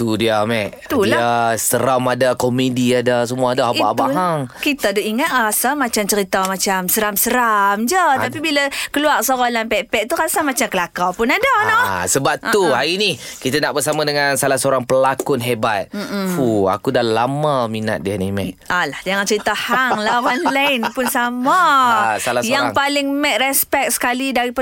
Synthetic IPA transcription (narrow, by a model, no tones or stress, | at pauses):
t̪udiamɛʔ̪ | uliasəɾamadakomediadas̬əmuaːdaaabaɦaŋkit̪adaʔiŋat̪̚ɾasamat͡ʃamt͡ʃəɾit̪amat͡ʃamsəɾamsəɾamd͡ʒət̪apibiləkəluarsoɾolanpɛpɛʔ̚t̪uɾasamat͡ʃamkəlakawpʊnadanɔsəbap̚t̪uɦaɾinikit̪ənaʔbəsamãdəŋansalahsəoɾaŋpəlakʊnɦebat̪̚m̩fua̰kudahlamamina̰t̪̚dianimɛ̰alahd͡ʒaŋant͡ʃəɾit̪ahaŋlawanlaɪnpʊnsamasalajaŋaŋpalɪŋmɛt̪̚rɛspɛk̚sə̥kalidaɾip